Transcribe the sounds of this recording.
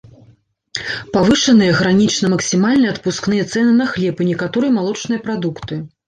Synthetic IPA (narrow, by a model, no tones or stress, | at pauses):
pavɨʂɐnɨjɐɣɾanʲit͡ʂnɐmɐksʲimalʲnɐjɐt̪̚puskn̪ɨjɛt̪sɛnɨnɐxlʲɛpɨnʲɛkat̪ɔɾɨjɐmalˠɔt͡ʂnɨjɐpɾad̪ukt̪ɨ